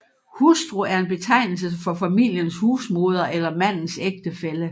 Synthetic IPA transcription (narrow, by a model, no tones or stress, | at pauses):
husd̥ʁuæɐe̝nb̥e̝t͡sʰɑ̈ɪ̰nl̩səfɒ̽fæmil̰jənshuːsmo̝ːð̞ˠɐʔelɐmæn̰n̩seɡ̥̚d̥əfelə